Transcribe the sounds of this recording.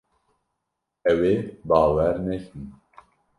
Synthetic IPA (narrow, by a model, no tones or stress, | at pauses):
ɛweːbɑːwɛɾnɛkʰɨn